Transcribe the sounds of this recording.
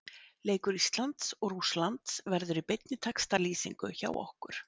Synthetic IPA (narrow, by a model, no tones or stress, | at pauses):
leːjkʏɾist̪lant̪sɔɣruslant̪svɛɾðʏɾipejt̪̚nɪt̪ʰakst̪aliːsḭŋkʏ̰ça̰ːwɔ̰hkʏɾ̥